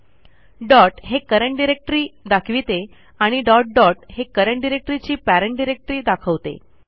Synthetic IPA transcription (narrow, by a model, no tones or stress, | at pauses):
ɖɔʈɦekəɾəɳʈ̚ɖiɾek̚ʈɾiːd̪akʰʋit̪e | aɽ̃iɖɔʈ̚ɖɔʈɦekəɾəɳʈɖiɾek̚ʈɾit͡ɕiːpæɾəɳʈɖiɾek̚ʈɾiːd̪akʰəʋt̪ḛ